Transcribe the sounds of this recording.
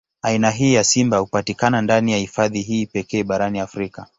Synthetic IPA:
ainaɦiːjasimbahupatikanandanijahifaðiɦiːpɛkɛːɓaɾaniafɾika

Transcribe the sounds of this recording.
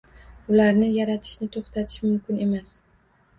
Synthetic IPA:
ʊlaɾnɪjaɾat̪ʰɪ̥ʃnɪt̪ʰoχt̪ʰat̪ʰɪ̥ʃmʊmkʲɪne̞mas

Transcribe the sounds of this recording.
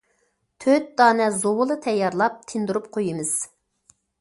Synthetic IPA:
t̪ʰøt̪̚d̪ɑːnɛzowʊlˠɨt̪ʰɛjːɑɾlˠɑp̚t̪ʰɪnd̪uɾupqʰojimɨz̥

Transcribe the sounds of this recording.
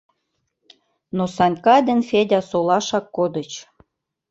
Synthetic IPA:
nosɑnʲkɑd̪ʲĕnfedʲɑsolɑʃɑkːod̪ə̆t͡ɕ

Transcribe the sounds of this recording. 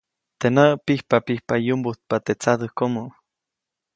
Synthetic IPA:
t̪enəpihpapihpajumbuht̪̚pat̪et͡sat̪əhkomoʔ

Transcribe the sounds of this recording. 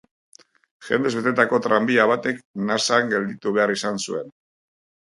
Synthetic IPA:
ʝe̞nd̪e̞βe̞t̪e̞t̪ako̞t̪ɾambiaβ̞at̪e̞knasaŋɡe̞ld̪it̪uβe̞aɾisansue̞n

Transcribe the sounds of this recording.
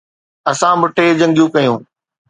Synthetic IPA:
ɐsãbʊʈʰeːd͡ʑɐ̃ŋɡjũkɐjũː

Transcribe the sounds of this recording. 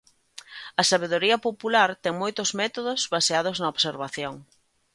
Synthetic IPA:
ɐsaβeðoɾiɐpopulaɾt̪ɛŋmojt̪ozmɛt̪oðozβaseað̞oznɐoβseɾβaθjoŋ

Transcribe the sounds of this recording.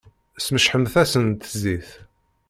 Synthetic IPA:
sməʃħəmθæsənt̪əziθ

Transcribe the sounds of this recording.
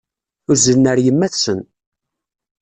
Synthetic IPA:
ʊɾzənːəɾjəmːæθsən

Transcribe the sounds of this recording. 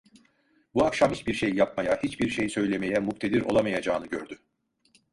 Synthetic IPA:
buakʃamhit͡ʃbiɾʃejːap̚majahit͡ʃbiɾʃejsø̞jlʲe̞me̞jɛmukt̪ʰe̞d̪iɾo̞̰lˠamajad͡ʒaːnɯɟøɾd̪y

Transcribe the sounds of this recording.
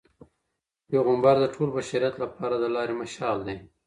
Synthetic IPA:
jeɣʊmbaɾd̪əʈʰolbaʃaɾijat̪lapɑɾad̪əlɑɾemaʃɑld̪e

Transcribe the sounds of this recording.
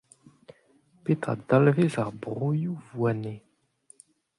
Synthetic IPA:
pet̪a̰d̪alvezaʁbʁujuvwane

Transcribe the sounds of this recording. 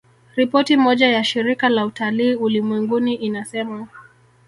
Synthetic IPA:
ɾipɔtimɔʄajaʃiɾikalautaliːulimwɛŋɡuniʔinasɛma

